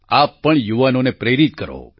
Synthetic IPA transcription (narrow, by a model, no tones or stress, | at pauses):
apːəɳjuʋanonepɾeɾit̪̚kəɾo̰